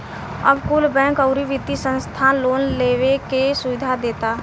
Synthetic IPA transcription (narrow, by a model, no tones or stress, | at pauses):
ə̰bkʊlbɛ̃ːkəʊɾiʋɪt̪ːisə̃nst̪ʰaːnloːnleːwekesʊʋɪd̪ʱad̪eːt̪aː